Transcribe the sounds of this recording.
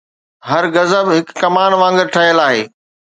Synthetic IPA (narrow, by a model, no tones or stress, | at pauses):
ɦɐɾɣɐzəbɦɪkːɐmaːñʋãːŋ̆ɡəɾʈʰɐɦjəlaːɦeː